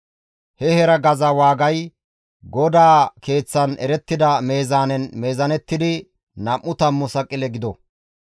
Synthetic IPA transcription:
hɛhɛɾɐɡɐzɐwaːɡɐj | ɡɔd̪aːke̞ːt͡sːɐnɛ̰ɾɛt̪ːɪd̪ɐme̞ːzaːnɛnme̞ːzɐnɛt̪ːɪd̪ɪ | nɐmːʊt̪ɐmːʊsɐkʼɪlɛɡɪd̪ɔ

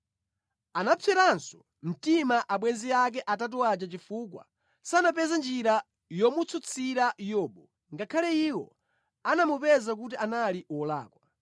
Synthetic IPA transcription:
anapʰɛɾansɔ̥ | m̩timaʔaɓwɛnziak̬ɛʔatat̬ɔat͡ʃat͡ʃifuːk̬wa̰ | sanap̬ɛzand͡ʒiɾa | jɔmut͡sʰut͡sʰiɾajɔːɓɔ | ŋɡakʰalɛiwɔ̰ | anamupɛzak̬ut̬iʔanaliɔla̰ːkwa

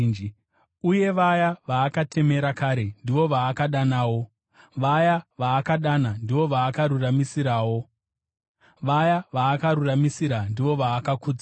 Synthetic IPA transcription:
i | uje̞ʋajaʋaːkatʰe̞me̞ɾakaɾe̞ndiʋo̞ʋaːkaɗanaːwo̞ | ʋajaʋaːkaɗanandiʋo̞ʋaːkaɾuramisiɾaːwo̞ | ʋajaʋaːkaɾuramisiɾandiʋo̞ʋaːkakuːd͡za

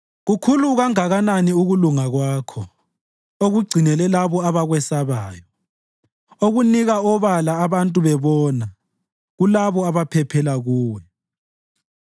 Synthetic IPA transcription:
ɣukʰuluɣaŋaɣananiuɣuluŋaɣwaːkʰɔ | oɣuɡ͡ǀʱinɛlɛlaβɔaβaɣwɛsaβaːjɔ | oɣuniɣaɔβalaːβantʼuβɛβɔna | ɣulaβɔaβapʰɛpʰɛlaɣuːwɛ

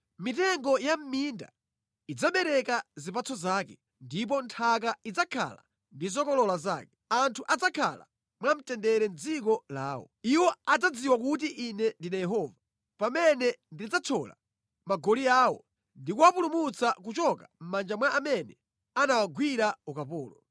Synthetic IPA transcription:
mitɛŋɡɔjam̩minda̰ | id͡zaɓɛɾɛkazipat͡sʰɔzaːkɛ | ndip̬ɔntʰak̬aid͡zakʰa̰la | ndizɔkɔlɔlaza̰ːkɛ̥antʰuʔad͡zakʰa̰la̰ | mwam̩tɛndɛɾɛn̩d͡zikɔla̰ːwɔ̰iwɔad͡zad͡ziwakut̬iʔinɛndinajɛɦɔːva | pamɛnɛndid͡zat͡sʰɔla̰ | maɡɔliaːwɔ | ndikuwapulumut͡sakut͡ʃɔkam̩mand͡ʒamwaʔːmɛnɛ | anawaɡwiɾaukapɔːlɔ

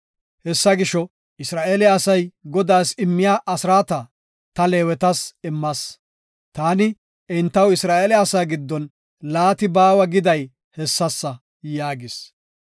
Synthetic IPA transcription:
hɛsːɐɡɪʃɔ | ɪsɾaːʔeːlɪːsɐjɡɔd̪aːsɪmːɪjaːʔɐsɾaːt̪ɐ | t̪ɐle̞ːwɛt̪ɐsɪmːɐs | t̪aːnɪ | ɪnt̪ːɐwɪsɾaːʔeːlɪɐsaːɡɪd̪ːɔn | laːt̪ɪbaːwɐɡɪd̪ɐj | hɛsːɐsːɐ | jaːɡɪs

